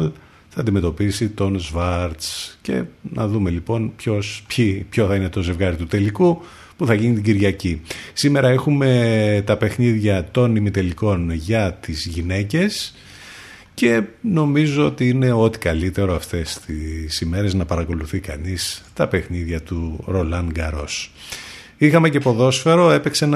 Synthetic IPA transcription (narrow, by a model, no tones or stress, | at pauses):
l | θɐːnd̪ime̞t̪o̞pisit̪o̞nzvɐɾt̪sce̞̰nʔɐðume̞lipo̞npço̞spipçoθɐine̞t̪o̞ze̞vɣɐɾit̪ut̪e̞liku | puθɐʝinit̪̬iɟiɾʝɐcisime̞ɾɐexume̞t̪ɐpe̞xniðʝɐt̪o̞nimit̪e̞liko̞nʝɐt̪izʝine̞ce̞s | ce̞no̞mizoot̪iine̞o̞t̪i̥kɐlit̪e̞ɾo̞ɐft̪e̞st̪isime̞ɾe̞znɐpɐɾɐko̞luθikɐ̰nist̪ɐpe̞xniðʝɐt̪uɾo̞lɐŋɡɐɾo̞s | ixɐme̞ce̞po̞ðo̞sfe̞ɾo̞e̞pe̞ksen